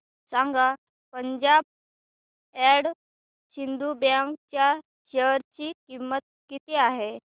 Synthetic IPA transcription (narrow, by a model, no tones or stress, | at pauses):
saŋɡa | pəɲd͡ʑab̚ | ɛɽ | ɕind̪ubjãŋkt͡ɕja | ɕeɾt͡ɕiːkimːət̪̚kit̪eaɦe